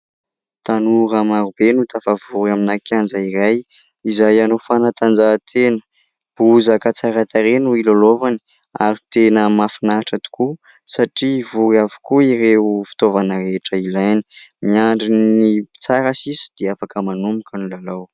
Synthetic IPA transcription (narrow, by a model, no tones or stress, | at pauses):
t̪anuɾamaɾubenut̪ʰafavuɾaminakjand͡zaiɾaj | izajanofanat̪and͡ʒat̪ʰenə̥ | b̥uzakat͡saɾat̪aɾenuilolovani̥ | aɾit̪enəmafinaʈ͡ʂət̪u̥ku | saʈ͡ʂivuɾavu̥kuiɾeufi̥t̪ovanəɾeʈ͡ʂəilajni̥miaɳɖ͡ʐinit͡saɾasisi̥d̪̥eafakəmanumukanulalaw